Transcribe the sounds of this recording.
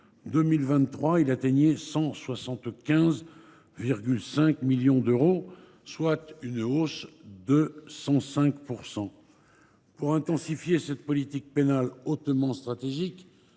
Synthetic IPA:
d̪əmilvɛ̃t̪t̪ːχwailat̪eɲɛsɑ̃swasɑ̃t̪kʲɛ̃z | viʁɡʲylsɛ̃kmiljɔ̃d̪øʁo | swat̪ynosd̪əsɑ̃sɛ̃kpuʁsɑ̃ | puʁɛ̃t̪ɑ̃sifjesɛt̪pɔlit̪ik̚penalot̪mɑ̃st̪χat̪eʒik

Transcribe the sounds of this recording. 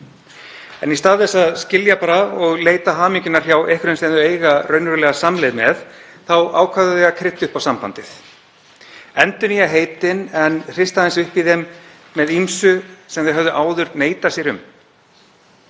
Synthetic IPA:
ɛ̰nist̪aːðθɛsːaðscɪljapaːɾaɔɣleːjt̪aɦaːmiɲcʏnar̥jawehkʏɾenst̪ejnðʏeːjɣarœːɥnʏɾlɛɣasamlejðmɛðθawa̰ːwkʰaðʏðɛɣakʰɾɪht̪ːʏhpawsampa̰nt̪ɪθ | ɛnt̪ʏniaɦeːjt̪ɪnɛnr̥ɪst̪aðɛnsʏhpiðemː | ɛðimsʏsɛmθɪɦœvðʏʔaːwðʏɾneːjt̪asjɛɾʏm

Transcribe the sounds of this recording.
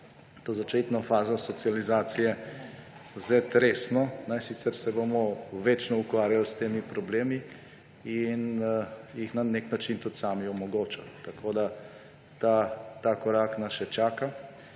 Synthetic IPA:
t̪oːzat͡ʃet̪nɔfaːzɔsɔt̪sializaːt̪sijɛ | wzet̪ɾeːsnɔnɛjsit̪sɛɾsɛbomɔʋet͡ʃnɔukʋaːɾjalst̪eːmipɾɔbleːmi | in | jixnaneknat͡ʃint̪ut̪saːmiɔmɔɡoːt͡ʃa̰t̪akʰoːd̪a | t̪at̪akɔɾaːknasʃɛt͡ʃaːka

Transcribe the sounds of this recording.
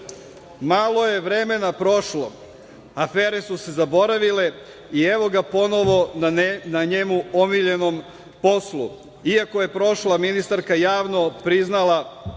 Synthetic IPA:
maːlˠo̞je̞ʋɾeme̞napɾo̞ʃlo̞̰ | afeːɾe̞suse̞zabo̞ɾaʋile̞ | ieʋo̞ɡapo̞no̞ʋo̞naɲe̞muomiʎe̞nom | po̞slṵ | iako̞je̞pɾo̞ʃlaminist̪aɾkajaːʋno̞pɾiznala

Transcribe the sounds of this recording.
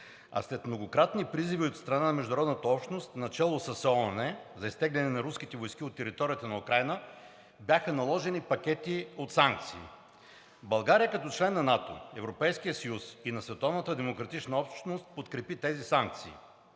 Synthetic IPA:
ɐ̰slɛt̪mnoɡokɾat̪nipɾiziviot̪st̪ɾɐnanɐmɛʒd̪ʊɐɾɔd̪nət̪əɔpʃt̪nost̪nɐt͡ʃɛlˠosəsɔnɛzɐist̪ɛɡlʲɛnɛnɐɾuskit̪ɛvojskiot̪ːɛɾit̪ɔɾijət̪ənɐukɾajnə | bʲjaxənɐlˠɔʒɛnipɐk̟ʲɛt̪iot̪saŋk̚t̪siː | bɐlˠɡaɾijəkɐt̪ɔt͡ʃlɛnːɐnat̪o̰ɛvɾopɛjskijəsɐjusinɐsvɛt̪ɔvnət̪əd̪ɛmokɾɐt̪it͡ʃnəɔpʃt̪nost̪̚pot̪kɾɛpit̪ɛzisaŋk̚t̪sḭː

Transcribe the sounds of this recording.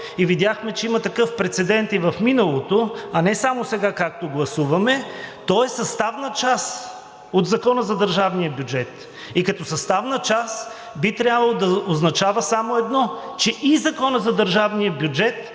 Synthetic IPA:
ivid̪ʲaxmɛt͡ʃɛimɐt̪ɐkɤfpɾɛt̪sɛd̪ɛnt̪ivɐfminɐlˠot̪oɐnɛsamosɛɡakak̚t̪oɡlˠɐsuvɐmɛt̪ɔɛsɐst̪avnət͡ʃas | od̪zɐkɔnəzɐd̪əɾʒavnijəbʲjud͡ʒɛt̪ | ikɐt̪ɔsɐst̪avnət͡ʃas | bit̪ɾʲabvɐlˠod̪ɐoznɐt͡ʃavəsamoɛd̪nɔ | t͡ʃɛʔizɐkɔnəzɐd̪əɾʒavnijəbjud͡ʒɛt̪

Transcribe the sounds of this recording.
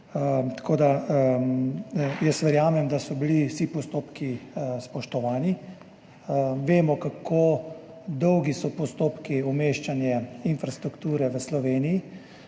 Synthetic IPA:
t̪ḁkoːd̪a | jɛsʋəɾjaːmɛmd̪asɔbilisipɔst̪oːpkispɔʃt̪ɔʋaːni | ʋeːmɔkakʰo | d̪ɔwɡisɔpɔst̪oːpkiumeːʃt͡ʃanjɛinfɾast̪ɾukt̪uːɾɛʋəslɔʋeːniji

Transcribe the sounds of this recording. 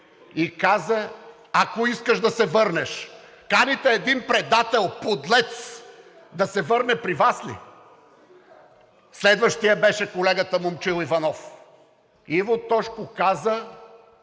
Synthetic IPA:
ikazə | akoiskəʃd̪ɐsɛvɤɾnɛʃ | kanit̪ɛːd̪inpɾɛd̪at̪ɛlˠpod̪lɛt̪s | d̪ɐsɛvɤɾnɛpɾivaslḭ | slɛd̪vəʃt̪ijɐbɛʃɛkolɛɡət̪əmomt͡ʃilˠivɐnɔf | ivot̪ɔʃkokazə

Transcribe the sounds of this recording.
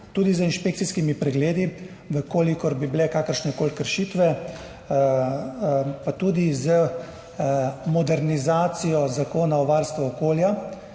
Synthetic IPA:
t̪uːd̪izəinʃpekt̪siskimipɾɛɡleːd̪i | ʋəkoːlikɔɾbibilɛkaːkəɾʃnɛkoːlkəɾʃiːt̪ʋɛ | pat̪uːd̪izə | mɔd̪ɛɾnizaːt̪sijɔzakoːnaɔʋaːɾst̪ʋuɔkoːlja

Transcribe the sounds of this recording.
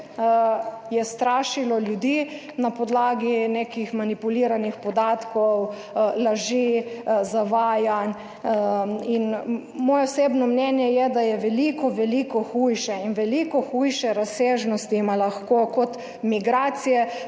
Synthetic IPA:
jɛst̪ɾaːʃilɔljud̪i | napɔd̪laːɡinekixmanipuliːɾanixpɔd̪aːt̪kɔw | laʒizaʋaːjan | in | mɔːjɛwsebnɔmnɛnjɛjɛd̪ajɛʋɛlikɔʋɛliːkɔxuːjʃɛinʋɛlikɔxujʃɛɾaseːʒnɔst̪imalaxkokɔt̪ | miɡɾaːt̪sijɛ

